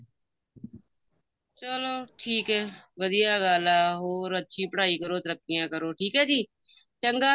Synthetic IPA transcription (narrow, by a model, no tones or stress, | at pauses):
t͡ʃəloːʈʰiːkɦɛː | ʋəd̪ɪjaːɡaːlaːɦoːɾət͡ʃʰiːpəɽaːiːkəɾoːt̪əɾəkːɪjãːkəɾoːʈʰiːkɦɛːd͡ʒiː | t͡ʃəŋɡaː